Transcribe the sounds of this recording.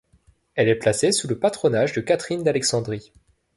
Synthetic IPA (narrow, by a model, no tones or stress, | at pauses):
ɛlɛplasesuləpat̪χɔnaʒd̪əkat̪χind̪alɛksɑ̃d̪ʁi